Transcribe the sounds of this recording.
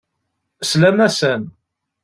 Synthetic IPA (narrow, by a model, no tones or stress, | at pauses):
slæmæsən